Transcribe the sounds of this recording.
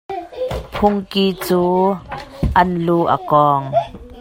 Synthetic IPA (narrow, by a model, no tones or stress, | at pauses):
pʰʊŋkiːt͡suː | ʔɐnluʔə̰kɔːŋ